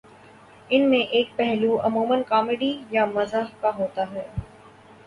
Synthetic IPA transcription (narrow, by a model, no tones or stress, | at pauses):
ɪnmẽʔeːk̚pɛɦluʔɐmuːmənkaːmɪɖijamɐzaɦkaɦoːt̪aɦɛː